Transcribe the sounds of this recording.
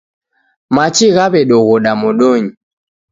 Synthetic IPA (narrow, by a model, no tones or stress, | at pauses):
mat͡ʃiɣaβɛɗɔɣɔɗamɔɗɔɲi